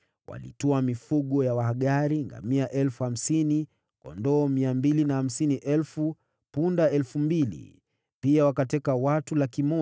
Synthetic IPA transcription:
wʔa̰lḭtɔamifuɠɔjawahaɠaɾiŋɡa̰miaʔɛlfuham̩sini | kɔ̰ndɔːmiambilinaham̩siniʔɛlfu | pundaɛlfumbilḭ | piawakatɛkawatulakimɔ

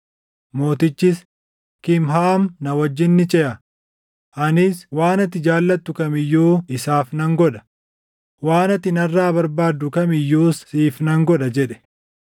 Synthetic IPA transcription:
mo̞ːt̪ɪt͡ʃːɪs | kɪmɦaːmnɐwɐd͡ʒːɪnːɪt͡ʃʼɛʔɐ | ʔɐnɪswaːnɐt̪ːɪd͡ʒaːlːɐt̪ːʊkɐmɪjːoːɪsaːfnɐŋɡɔᶑ̪ɐ̥ | waːnɐt̪ɪnɐrːaːbɐɾbaːd̪ːʊkɐmɪjːoːsiːfnɐŋɡɔᶑɐd͡ʒɛᶑɛ̥

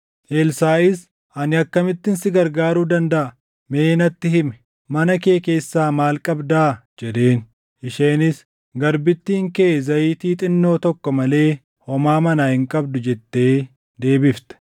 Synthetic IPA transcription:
ʔeːlsaːʔɪs | ɐnɪɐkːɐmɪt̪ːɪnsɪɡɐɾɡaːɾuːd̪ɐnd̪ɐʔɐ | me̞ːnɐt̪ːɪɦɪmɛ̥ | mɐnɐke̞ːke̞ːsːaːmaːlkʼɐbd̪aːd͡ʒɛd̪e̞ːn | ʔɪʃeːnɪs | ɡɐɾbɪt̪ːiːŋkeːzɐjiːt̪iːt̪ʼɪnːo̞ːt̪ɔkːɔmɐle̞ː | hɔmaːmɐnaːhɪŋkʼɐbd̪ʊd͡ʒɛt̪ːe̞ː | d̪e̞ːbɪft̪ɛ̥

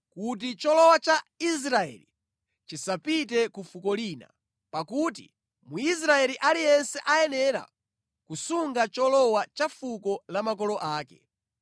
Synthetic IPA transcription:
kut̬it͡ʃɔlɔwat͡ʃaisɾaɛ̰li | t͡ʃisapitɛkufukɔliːna̰ | pakutḭ | muis̬ɾaɛliʔalijɛnsɛʔajɛnɛɾa̰ | kusuŋɡat͡ʃɔlɔwat͡ʃafukɔlamak̬ɔlɔʔaːkɛ̰

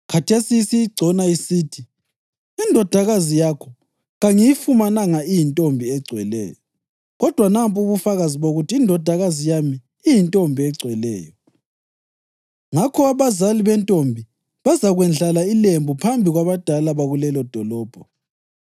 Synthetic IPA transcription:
kʰatʰesisijiɡ͡ǀʱɔnaisiːtʰi | indʱɔd̥ʱaɣazijakʰɔ | ɣaŋijifumanaŋaijintʼombʱiɛɡ͡ǀʱwɛlɛ̰ːjɔ | ɣɔd̥ʱwanampʼuβufaɣaziβoɣutʰiːndʱɔd̥ʱaɣazijamiː | jintʼombʱiɛɡ͡ǀʱwɛlɛ̰ːjɔ | ŋakʰɔaβazaliβɛntʼombʱi | βazaɣwɛnd͡ɮalailembʱupʰambʱiɣwaβad̥ʱalaβaɣulɛlɔd̥ʱɔlɔːb̥ʱɔ

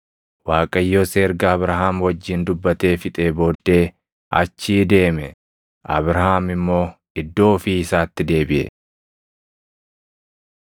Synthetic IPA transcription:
waːkʼɐjːoːseːɾɡɐːbɾɐɦaːmwɐd͡ʒːɪnd̪ʊbːɐt̪e̞ːfɪt̪ʼe̞ːboːd̪ːe̞ː | ʔɐ̰t͡ʃːiːd̪e̞ːmɛ | ʔɐ̰bɾɐɦaːmɪmːo̞ː | ɪd̪ːo̞ːfiːɪsaːt̪ːɪd̪e̞ːbɪʔɛ̰

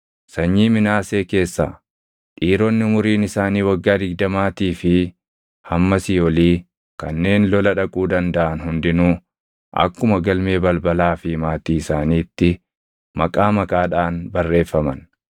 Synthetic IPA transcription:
sɐɲːiːmɪnaːse̞ːke̞ːsːa̰ː | ᶑiːɾɔnːɪʊmʊɾiːnɪsaːniːwɐɡːaːd̪ɪɡ̚d̪ɐmaːt̪iːfɪ | hɐmːɐsɪɔliː | kɐnːe̞ːnlɔlɐᶑɐkʼuːd̪ɐnd̪ɐʔɐnɦʊnd̪ɪnuː | ʔɐ̰kːʊmɐɡɐlme̞ːbɐlbɐlaːfɪmaːt̪iːɪsaːniːt̪ːɪ | mɐkʼaːmɐkʼaːᶑaːnbɐrːe̞ːfːɐmɐn

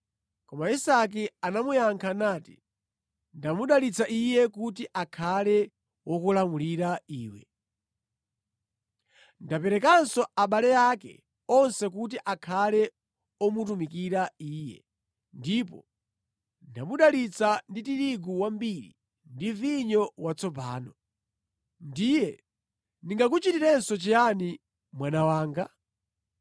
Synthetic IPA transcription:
kɔmaisak̬ianamujaŋkʰanaːti̥ | ndamuɗalit͡sʰaʔijɛkutiʔakʰalɛ | wɔkulamuliɾaiːwɛ̰ | ndapɛɾɛk̬ansɔaɓalɛjakɛ̰ | ɔnsɛkut̬iʔakʰalɛ | ɔmutumikiɾaiːjɛ̰ | ndip̬ɔ | ndaɓuɗalit͡sanditiɾiɡuwambiɾḭ | ndiviɲɔwat͡sʰɔpaːnɔ | ndijɛ | niŋɡak̬ut͡ʃitiɾɛnsɔt͡ʃijani | mwanawaːŋɡa

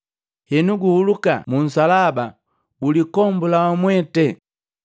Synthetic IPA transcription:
hɛnuɡuhuluka̰mun̩salaba | bulikɔmbulawamwɛtɛ

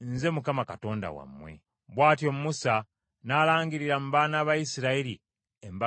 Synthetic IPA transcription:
nze̞mukamakato̞ːnda̰wa̰mːwe̞̰ | βwaːtjo̞mumusa | naːlaːŋɡiɾiɾamuβaːnaːβajisiɾaiɾi | emba

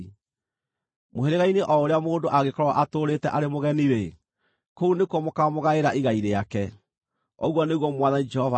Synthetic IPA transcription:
moeɾeɣaineʔɔoɾeamoːndoʔaɣekɔɾɔwa̰ʔatoɾetɛʔaɾemoɣɛniɾe | kounekwɔmokamoɣaeɾaʔiɣaiɾeakɛ | ɔɣwɔneɣwɔmwaðanid͡ʒɛhɔva

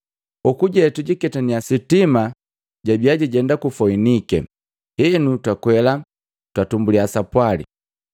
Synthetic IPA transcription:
ukuɟɛtuɟikɛtaniasitima | ɟabiaɟiɟɛndakufɔinikɛ̰ | hɛnutwakwɛla | twatumbuliasapwalḭ

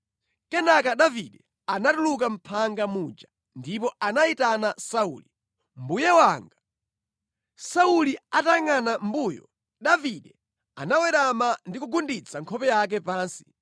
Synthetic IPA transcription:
kɛnakaɗaviɗɛ | anatuluk̬am̩pʰaŋɡamuːd͡ʒa | ndipɔanaitanasaṵli | m̩bujɛwaːŋɡa | sauliataŋanambuːjɔ̰ | ɗaviɗɛ | a̰nawɛɾamandikuɡundit͡sʰaŋkʰɔpɛjak̬ɛpaːnsi̥

